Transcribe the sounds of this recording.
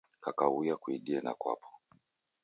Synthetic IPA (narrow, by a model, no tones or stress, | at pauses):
kakaujakuiɗiɛnakwa̰pʰɔ̥